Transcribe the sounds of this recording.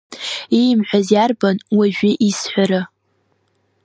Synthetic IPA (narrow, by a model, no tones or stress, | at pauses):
ijmħʷazjarbanwaʒᶣɪʔisħʷaɾa